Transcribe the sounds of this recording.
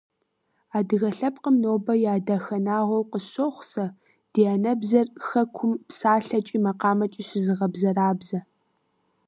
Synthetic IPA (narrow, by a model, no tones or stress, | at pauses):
aːdɨɣɐɬɐp̚qəmnoːbɐjaːdaxɐnaːʁʷɔwqəɕoχʷsɐ | d̥ianɐbzɐrxɐkʷʰʊmpsaːɬɐt͡ʃʼiːmɐqɑːmɐt͡ʃʼiɕɪzɨʁɐbzɐraːbzɐ